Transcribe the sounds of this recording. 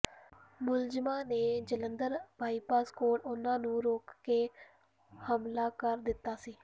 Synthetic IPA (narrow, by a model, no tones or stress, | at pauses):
mʊld͡ʒmãːneːd͡ʒələnd̪əɾbʱaːiːpaːskoːʈʊnãːnũːɾoːkːeː | həmlaːkəɾd̪ɪt̪ːaːsiː